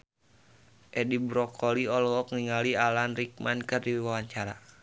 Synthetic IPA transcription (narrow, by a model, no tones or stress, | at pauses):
ʔɛdibɾɔkʰɔliɔlɔkŋiŋalialanrik̚mankɨrdiwawaɲt͡ʃaɾa̰